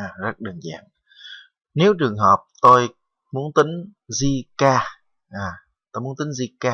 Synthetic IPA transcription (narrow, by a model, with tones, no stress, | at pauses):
zə˦˥ɗəː˨˩nza̰ː˧˨ŋ | ne˨˦wt͡ɕɨ˨˩əŋɦɔ˨˩p̚t̪o˧j | mu˨˦˥ənt̪ï˨˦ŋ̟zi˧kaː˧ | ʔaː˨˩ | t̪o˧jmu˨˦nt̪ï˨˦ŋzi˧kaː˧